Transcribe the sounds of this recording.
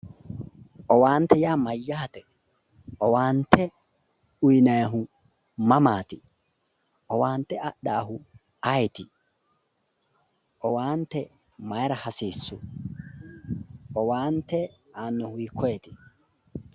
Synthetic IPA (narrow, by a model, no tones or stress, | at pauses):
ʔɔwaːnt̪ɛjaːmɐjːaːt̪ɛ | ʔɔwaːnt̪ʰɛ | ʊjnɐjɦʊ | mɐmaːt̪ɪ | ʔɔwaːnt̪ɛɐɗaːɦʊ | ɐjt̪ɪ | ʔɔwaːnt̪ɛ | mɐjɾɐhɐsiːsːʊ̰ | ʔɔwaːnt̪ɛ | aːnːɔhʊikʰːɔɛt̪ɪ̥